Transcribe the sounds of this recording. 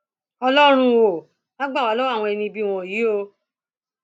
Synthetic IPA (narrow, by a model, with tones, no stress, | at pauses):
ɔ˧lɔ˦ɾ̃ũ˧o˨ | na˦ɡ͡ba˦˨wa˨˦lɔ˦a˦˨w̃ɔ̃˧ɛ˧nĩ˧bi˦˨w̃ɔ̃˧˨ji˨˦o˧